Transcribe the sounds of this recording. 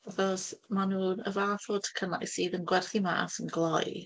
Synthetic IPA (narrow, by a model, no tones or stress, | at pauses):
aθɔsmanuːnə̰vaːθɔtʰə̥kʰəna̰jsiːðənɡwɛrθima̰ːθənɡlˠɔj